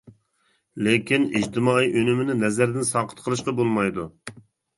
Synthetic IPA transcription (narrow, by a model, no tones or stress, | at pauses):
lekʲʰinḭd͡ʒt̪ʰɪmɑːiʔønɪmɪnɪnɛzæɾd̪ɪnsɑːqʰə̥t̪qʰəlˠɨʃqɑbolˠmɑjd̪u